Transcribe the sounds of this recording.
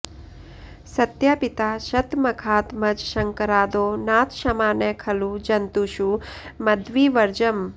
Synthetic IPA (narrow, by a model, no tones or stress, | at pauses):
sɐt̪jaːpɪt̪aːʃɐt̪mɐkʰaːt̪mɐd͡ʒʃɐŋkɐɾaːd̪oːnaːt̪ʃɐmaːnekʰɐlud͡ʒɐnt̪uʃumɐd̪ʋiːʋɐɾd͡ʒɐm